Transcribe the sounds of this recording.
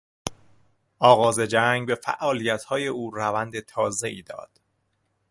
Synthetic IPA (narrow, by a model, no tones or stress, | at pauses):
ʔɒːɣɒːze̞d͡ʒæŋɡbe̞fæ̰ʔɒːlijæt̪hɒːje̞ʔuːrævænd̪et̪ʰɒːze̞iːd̪ɒ̰ːd̪̥